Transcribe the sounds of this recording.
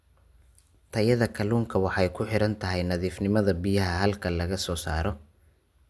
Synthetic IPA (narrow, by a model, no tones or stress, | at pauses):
t̪ʰɐjɐðɐkʰɐluːŋkʰɐwɑħɑjkʰʊħɪɾɐnt̪ʰɐɦɛjnɐðiːfnɪmɐðɐbɪjɐɦɐɦɐlkʰɐlɐɣɐsɔːsaːɾɔ